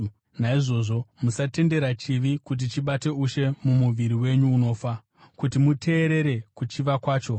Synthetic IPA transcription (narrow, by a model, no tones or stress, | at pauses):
naiʐo̞ːʐo̞musate̞nde̞ɾat͡ʃiʋikut̬it͡ʃiɓate̞uʃe̞mumuʋiɾiwe̞ɲuːno̞ːfa | kutimutʰe̞ːɾe̞ɾe̞kut͡ʃiʋakwaːt͡ʃo̞